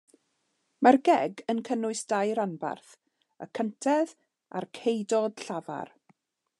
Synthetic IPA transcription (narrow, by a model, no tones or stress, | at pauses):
marɡɛɡənkʰənʊɨsd̥ajɾanba̰rθ | ə̰kʰəntʰɛð | a̰rkʰejdɔd̥ɬava̰r